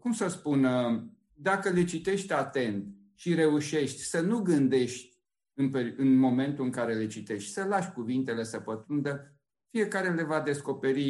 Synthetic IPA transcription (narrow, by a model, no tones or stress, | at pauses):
kumsəspunə | d̪akəle̞t͡ʃit̪e̞ʃt̪ʲat̪e̞nt̪ | ʃiɾe̞uʃe̞ʃt̪ʲsənuɡɨnd̪e̞ʃt̪ʲ | ɨnpeɨnmo̞me̞nt̪uɨŋkaɾe̞le̞t͡ʃit̪e̞ʃt̪ʲsəlaʃkuvint̪e̞le̞səpət̪und̪ə | fije̞kaɾe̞le̞vad̪e̞sko̞pe̞ɾi